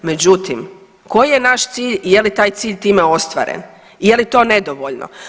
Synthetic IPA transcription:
me̞d͡ʑut̪im | ko̞jijenaʃt̪siːʎijelit̪aːjt̪siːʎʲt̪iːmeo̞st̪ʋa̰ːɾḛn | ijelit̪o̞ːne̞d̪oʋoʎno̰

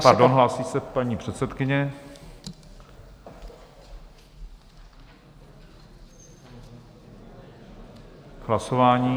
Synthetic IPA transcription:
paɾdonɦlaːsiːsɛpaɲiːpr̝̥ɛt̪sɛt̪kɪɲɛ | ɦlaso̞vaːɲiː

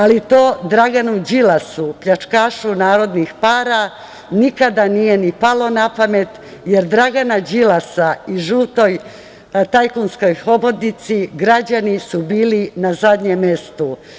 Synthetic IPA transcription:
alit̪o̞ːd̪ɾaɡanud͡ʑilasupʎat͡ʃkaːʃunaːɾo̞d̪nixpaːɾa | nikad̪anijenipalo̞napame̞t̪jeɾd̪ɾaɡanad͡ʑilasaiʒuːt̪o̞j | t̪ajkunsko̞jho̞bod̪nit̪siɡɾad͡ʑanisubiːlinazad̪ɲemːe̞st̪u

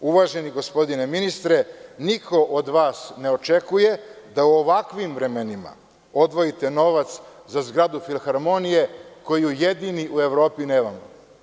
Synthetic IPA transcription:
uʋaʒe̞niɡo̞spo̞d̪ineminist̪ɾenikʰo̞ʔod̪ʋaːsne̞ot͡ʃe̞kujed̪auoʋakʋimʋɾe̞menima̰ | od̪ʋo̞jit̪e̞no̞ʋat̪s | zazɡɾad̪ufilxaɾmonije̞ko̞jiujed̪iniʔue̞ʋɾo̞ːpineːʋamo

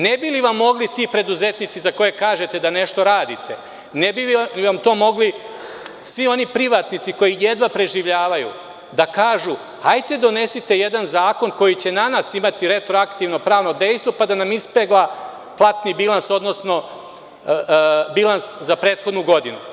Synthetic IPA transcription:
nebiliʋamːo̞ɡlit̪ipɾe̞d̪uze̞t̪nit̪sizako̞jekaːʒe̞t̪ed̪ane̞ʃt̪o̞ɾaːd̪it̪e̞ | nebiʋamt̪o̞ːmo̞ɡli | sʋio̞nipɾiʋaːt̪nit̪siko̞jije̞d̪ʋapɾe̞ʒiʋʎaːʋajṵ | d̪akaːʒu | hajt̪e̞d̪o̞ne̞sit̪e̞je̞d̪anzaːko̞nko̞jit͡ɕe̞nanasimat̪iɾe̞t̪ɾoakt̪iːʋno̞pɾaːʋno̞d̪e̞jst̪ʋo̞pad̪anamispeɡla | plˠat̪nibilˠanso̞d̪no̞sno̞ | bilˠanszapɾe̞ːt̪xo̞d̪nuɡo̞d̪inṵ

